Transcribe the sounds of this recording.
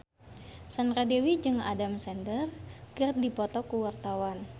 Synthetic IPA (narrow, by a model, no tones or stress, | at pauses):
sandɾadewid͡ʒɨŋa̰damsɛndərkɨrdipɔt̪ɔkuwart̪awan